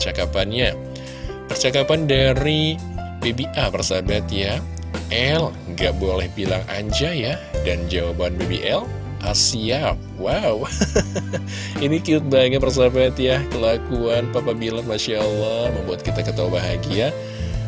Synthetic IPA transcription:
ət͡ʃakapanɲa | pərt͡ʃakapandaɾi | bebiʔapərsabat̪ja | ʔɛl | ŋɡaʔbolɛhbilaŋa̰ɲd͡ʒajadand͡ʒawabanbebeʔɛl | ʔasiap̚waw | inikiʊt̪̚baŋapərs̬abat̪jakəlakuanpapabilamaʃaɔlːɔməmbuat̪̚kit̪akət̪awbaɦaɡia

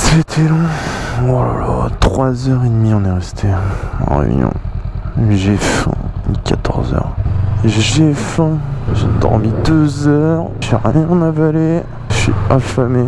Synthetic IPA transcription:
set̪ʰɛlɔ̃walat̪χwazœʁed̪miɔ̃nɛʁɛst̪ʰeɑ̰̃ʁḛvɲɔ̰̃ | ʒefɛ̰̃kat̪ʰɔʁzœ̰ʁ | ʒɛfɛ̃ʒed̪ɔ̰ʁmid̪øzœʁʒiʁjɛ̃navale | ʃɥiɑ̃fame

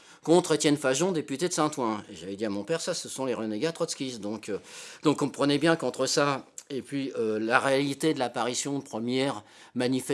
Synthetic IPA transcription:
kɔ̃t̪χet̪jɛnfaʒɔ̃d̪epyt̪ed̪əsɛ̃t̪wɛ̃eʒavɛd̪iamɔ̃pɛʁsasəsɔ̃leʁəneɡat̪χɔt̪skʲisd̪ɔ̃kød̪̥ɔ̃kɔ̃pχənɛbjɛ̃kɔ̃t̪χəsaepɥiølaʁealit̪ed̪əlapaʁisjɔ̃pχəmjɛʁ | manifɛ

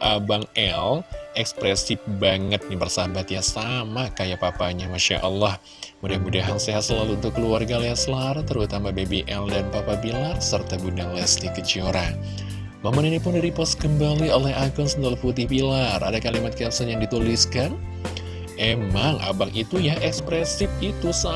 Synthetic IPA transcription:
ʔabaŋɛlɛkspɾɛsɪbaŋət̪̚nibərsabat̪jasamakajapapaɲamaʃa̰ʔɑlːah | mudahmudaɦanseɦat̪səlaluːnt̪ʊkːəluarɡaleasəlart̪ərut̪amabebeʔɛldanpapabilarsərt̪abundaŋlɛstikət͡ʃioɾa | mamaninipʊndiɾipɔskəmbaliolɛhaɡɔnsndalaput̪̬ɪhbilarʔa̰dakalimat̪̚kɛlsɔnjaŋdit̪uliskan | ʔemaŋʔa̰bakit̪ujaʔɛkspɾɛsɪp̚it̪usa

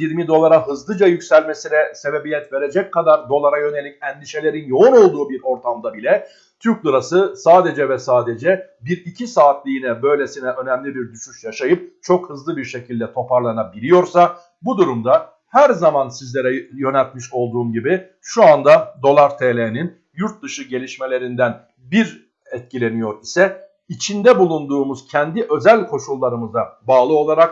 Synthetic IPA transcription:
jiɾmid̪o̞lˠaɾaɦɯzlˠɯd͡ʒajycsælʲme̞sinɛse̞be̞bijɛt̪ve̞ɾe̞d͡ʒɛc̚kʰːad̪aɾd̪o̞lˠaɾajø̞ne̞lʲicɛnd̪iʃe̞lʲe̞ɾinjo̞uno̞lˠd̪uːbiɾo̞ɾt̪ʰamd̪abilʲɛ | t̪ʰyɾclˠuɾasɯsaːd̪e̞d͡ʒɛvɛsaːd̪e̞d͡ʒɛ | biɾicʰisaːt̪lʲiːnɛbø̞jlʲe̞sinɛʔø̞næmlʲibiɾd̪yʃyʃjaʃajɯp̚t͡ʃʰo̞khɯzlˠɯbiɾʃe̞cʰilʲd̪ɛt̪ʰo̞pʰaɾlˠaɾɯnabiɾʲijo̞ɾsa | bud̪uɾumd̪a | hæɾzamansizlʲe̞ɾɛjø̞næɾt̪miʃo̞lˠd̪uːmɟibi | ʃuand̪ad̪o̞lˠaɾt̪ʰelʲenin | juɾt̪̚d̪ɯʃɯɟe̞lʲiʃme̞lʲe̞ɾind̪æn | biɾ | ɛt̪̚cʰilʲe̞nijo̞ɾisɛ | it͡ʃʰind̪ɛbulˠund̪uːmuz̥cʰɛnd̪iʔø̞zælʲkʰo̞ʃulˠːaɾɯmɯzabaːlˠɯo̞lˠaɾak

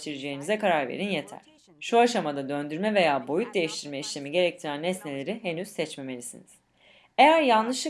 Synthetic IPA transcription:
t̪ʰiɾid͡ʒe̞jinizɛkaɾaɾve̞̰ɾinje̞t̪ʰæ̰ɾ̥ | ʃuaʃamad̪ad̪ønd̪yɾmɛve̞jaːbo̞jut̪̚d̪e̞jiʃt̪ʰiɾmɛiʃlʲemiɟe̞ɾɛc̚t̪ʰiɾænɛsne̞lʲe̞ɾiɦenyz̥sɛt͡ʃme̞me̞lʲisiniz̥ | e̞jæɾjanlˠɯʃɯ

